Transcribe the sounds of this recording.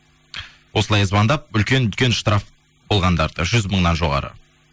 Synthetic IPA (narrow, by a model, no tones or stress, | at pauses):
wʔo̞səlˠɑjəzbɑnd̪ɑp̚ʏlkʲe̞nʏlkʲe̞nʃt̪rɑf | bo̞lˠʁɑnd̪ɑɾd̪əʒʏzməɴnɑnʒo̞ʁɑ̰ɾə̰